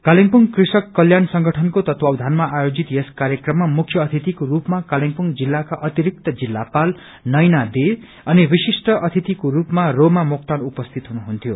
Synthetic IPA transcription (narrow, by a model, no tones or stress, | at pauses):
kaliŋpuŋkrisʌkːʌljansʌŋɡʱʌʈʰʌnkot̪ʌt̪wawd̪ʱanmaʔajod͡zit̪jeskaɾjʌkrʌmːamukʰjʌʌt̪ʰit̪ikoɾupmakaliŋpuŋd͡zilːakaʔʌt̪iɾik̚t̪ʌd͡zilːapal | nʌjnad̪e | ʌnibisisʈʌʔʌt̪ʰit̪ikoɾupmaromamokt̪anupʌst̪ʰit̪ɦunuɦunt̪ʰjo